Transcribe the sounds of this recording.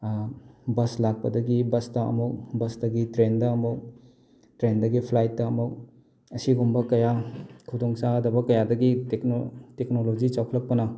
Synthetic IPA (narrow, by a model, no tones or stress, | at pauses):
bɐslak̚pɐdɐɡibɐstɐɐ̰muk̚bɐsdɐɡitɾendɐːmuk̚ | tɾendɐɡipʰlajtːɐːmuk̚ | ɐsiɡumbɐkɐjakʰudɔŋsaɐdɐbɐkɐjadɐɡitekno̰teknolod͡ʒit͡ʃawkʰlɐk̚pɐnɐ